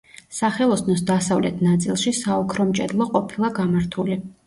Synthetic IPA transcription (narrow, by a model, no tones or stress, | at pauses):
saχɛlˠɔsnɔsd̪asavlɛt̪ʰnat̪sʼilˠʃisaɔkʰɾɔmt͡ʃʼɛd̪lˠɔqʼɔpʰilˠaɡamaɾt̪ʰuli